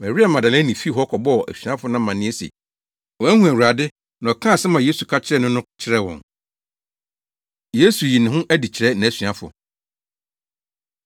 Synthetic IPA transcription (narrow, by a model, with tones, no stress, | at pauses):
mæ˨ɾi˦a˨mã˨da˨læ˦nĩ˨fi˦ɦɔ˦kʰɔ˨bɔ˦˨ʔæ̰˨sɥã˦fʊ˦nã˦mã˨nɪ̃˦ɛ˦sḛ˨ | wɔ˨æ˦hũ˦æ˨u˨ɾa˨dɪ˦ | nã˨ɔ˨kʰã˦˨sɛ˦mã˨je˦su˨kʰa˦t͡ɕʰɪ˦ɾɛ˦nʊ̃˦nʊ̃˦t͡ɕʰɪ˦ɾɛ˦wɔ̰̃˨n | je˦su˨ji˨nɪ̃˨ɦʊ̃˦ʔæ˦di˨t͡ɕʰɪ˨ɾɛ˦nã˨æ˨sɥã˦fʊ̰˨